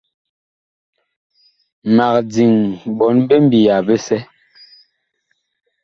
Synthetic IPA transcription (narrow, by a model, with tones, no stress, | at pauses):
ma˨k̚d͡zi˨ŋbɔ˨˦nbe˦m˦bi˨ja˨be˦sɛ˦